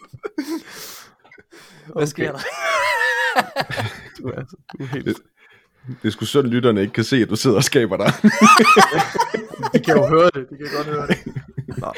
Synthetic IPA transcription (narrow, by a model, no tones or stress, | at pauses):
æsɡ̥eɐ̰d | æḛːl | d̥e̝sɡ̥usɔ̽d̥n̩lydɐnəe̝ɡ̥əkʰæse̝̰ːæd̥use̝ð̰ˠɐɒ̽sɡ̥ɛ̰ːb̥ɐɾ̥ɑ | dekʰæjoɦøːɐd̥e̝d̥ekʰæjoɡ̥ɒ̽d̥høːɐdḛ